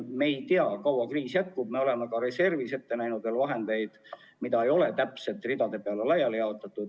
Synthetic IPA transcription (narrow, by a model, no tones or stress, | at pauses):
me̞ːjt̪iɑkɑwɑkriːsjæt̪̚kub̚me̞o̞le̞mɑkɑɾe̞se̞rvise̞t̪ːe̞næjnud̪velvɑɦe̞nd̪e̞jd̪̥ | mid̪ɑe̞jo̞le̞t̪æpse̞t̪ːrid̪̥ɑd̪e̞peɑlelɑjːɑljɑot̪ːˑɑt̪ːˑud̪